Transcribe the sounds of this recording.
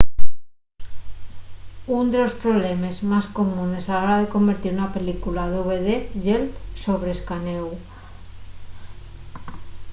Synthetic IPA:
und̪e̞lo̞spɾo̞βle̞me̞zmasko̞mũne̞salaɾaðe̞ko̞mbe̞ɾt̪iɾunape̞likulaðuβeðeʝelso̞βɾeskanew

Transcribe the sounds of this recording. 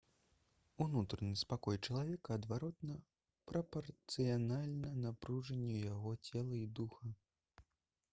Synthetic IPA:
unut̪ɾɐnɨspakɔjt͡ʂɐlˠavʲɛkɐːd̪vaɾɔt̪nɐ | pɾɐpɐrt̪sɨjanalʲnɐnapɾuʐɐnʲːɛjaɣɔt͡sʲɛlˠɐid̪uxɐ

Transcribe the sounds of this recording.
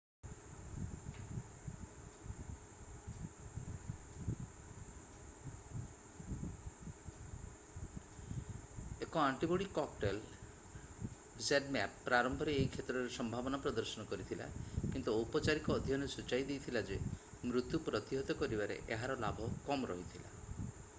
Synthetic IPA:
ekɔaɳʈiboɽikɔk̚ʈel | seɖmɛpːɾaɾɔmbʱɔɾeejkʰet̪ɾɔɾesɔmbʱabɔnapɾɔd̪ɔɾsɔnɔkɔɾit̪ʰila̰kint̪uɔpɔt͡ʃaɾikɔːd̪ʱjɔnɔsut͡ʃajd̪ejt̪ʰilad͡ʒe | mɾut̪upɾɔt̪iɦɔt̪ɔkɔɾibaɾḛʔeɦaɾɔlabʱɔkɔmɾɔ̰ɦit̪ʰila̰

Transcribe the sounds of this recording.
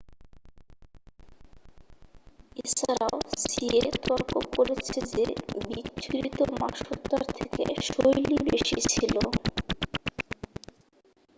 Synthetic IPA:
et͡ɕʰaɾaosiet̪ɔɾkokoɾet͡ɕʰed͡ʑebikːɾit̪oma̰ʃot̪ːaɾt̪ʰekḛʃojlibeʃit͡ɕʰilo

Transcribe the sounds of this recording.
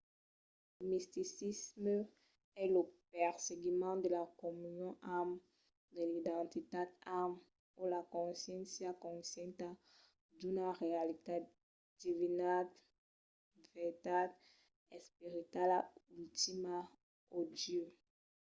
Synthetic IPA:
ləmist̪isismə | ɛləpɛʁseɡimɑ̃d̪əlakɔmynjɔ̃ʔam | d̪əlid̪ɑ̃t̪it̪ad̪am | ulakɔ̃sjɛ̃nsjakɔ̃sjɛ̃nt̪a | d̪ynaʁealit̪a | d̪̥ivinad̪ | vɛt̪ad̪ | ɛspiʁit̪alaylt̪ima | od̪jø

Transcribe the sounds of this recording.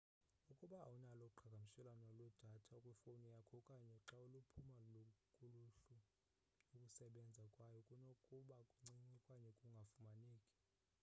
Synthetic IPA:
ukʼuɓa̰ːunalɔǃʰaɡʱam̩ʃɛlanɔlwɛd̥ʱatʰaukʼwɛfonijakʰɔkʼaɲɛǁaulupʰumalokʼuluɬu | ukʼusɛɓɛnd͡zʱakʼwajɔkʼunokʼuɓakʼuŋ͡ǀiŋ͡ǀikʼwaɲɛkʼuŋɡʱafumaniːkʼi̥

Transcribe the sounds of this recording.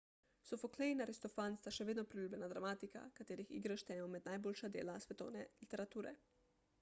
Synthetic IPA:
sɔfɔklɛjnaɾist̪ɔfanst̪aʃɛʋeːd̪nɔpɾilʲuːbjʲɛnad̪ɾamaːt̪ika̰kat̪eːɾixḭɡɾəʃt̪ɛmɔmɛd̪najboːlʃad̪ḛːlasʋɛt̪ɔ̰wnɛlit̪ɛɾat̪uːɾɛ̰

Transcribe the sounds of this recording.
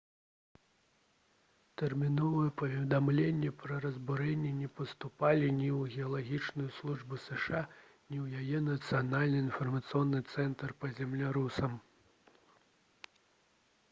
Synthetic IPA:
t̪ɛrmʲinɔvɨjɛpɐvʲɛd̪amlʲenʲːɛpɾɐɾɐzbuɾɛnʲːɛnʲɛpɐst̪upalʲinʲiwɣʲɛɐlˠaɣʲit͡ʂnujuslˠuʐbɨsɛʂa | nʲiwjajɛnɐt̪sɨjanalʲnɨinfɐrmɐt̪sɨjɔnːɨt̪sɛnt̪ɐrpɐzʲɛmlʲiɾusɐm

